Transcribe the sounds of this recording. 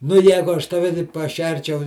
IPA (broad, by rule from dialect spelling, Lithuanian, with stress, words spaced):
nʊ ˈjæːɡʊ ˈɐʃ tɐˈʋʲɛ tɐɪp pɐˈʃʲɛrʲt͡ʃʲɛʊ